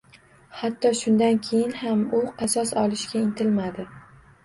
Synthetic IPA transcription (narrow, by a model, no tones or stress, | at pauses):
hat̪ːɒʃʊnd̪ankʲʰejɪnhamʊqʰɑsɒsɒlɪʃkʲaɪnt̪ʰɪlmad̪ɪ